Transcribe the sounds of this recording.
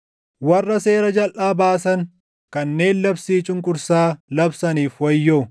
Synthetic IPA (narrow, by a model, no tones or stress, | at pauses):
wɐrːɐse̞ːɾɐd͡ʒɐlʔaːbaːsɐŋ | kɐnːe̞ːnlɐbsiːt͡ʃʼʊŋkʼʊɾsaːlɐbsɐniːfwɐjːo